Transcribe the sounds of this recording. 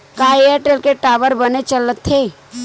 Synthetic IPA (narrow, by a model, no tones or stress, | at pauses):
kaːeəɾʈelkeʈaːʋəɾbənet͡ʃələt̪ʰːeː